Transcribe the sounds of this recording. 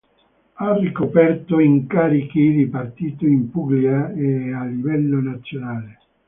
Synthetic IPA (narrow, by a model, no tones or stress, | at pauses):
arːikopɛrt̪oiŋkaːɾikid̪ipart̪iːt̪oimpuɡliaealːivɛlːonat̪sːjonaːle